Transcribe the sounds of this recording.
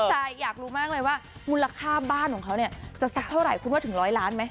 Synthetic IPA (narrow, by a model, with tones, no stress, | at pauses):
a˨˧jaː˨˩k̚ɾuː˦˥maː˥˩k̚lɤː˧jwaː˥˩mu˧nla˧kʰaː˥˩baː˥˩nkʰɔː˨˩˦kʰa˦˥wni˥˩ɐt͡ɕa˨˩sa˦˥k̚t̪ʰa˥˩wɾa˨˩jkʰu˧˥nwa˥˩t̪ʰɯ˩˦ŋɾɔː˦˥jlaː˦˥nma˦˥j